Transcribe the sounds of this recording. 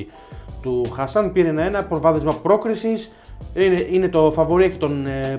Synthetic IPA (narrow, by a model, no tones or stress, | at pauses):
i | t̪uxɐsɐnpiɾenɐenɐpɾovɐðezmɐpɾo̞kɾisis | ineine̞t̪o̞fɐvo̞ɾiɐcit̪o̞n